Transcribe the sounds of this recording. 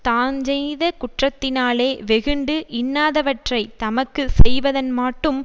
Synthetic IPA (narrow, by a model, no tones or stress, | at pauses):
t̪aːɲd͡ʒɛjðɐkʊʈrɐt̪ːɪnaːleːʋɛɣɯɳɖɯʔɪnːaːðɐʋɐʈrɐɪt̪ɐmɐkːɯsɛjʋɐðɐnmaːʈːɯm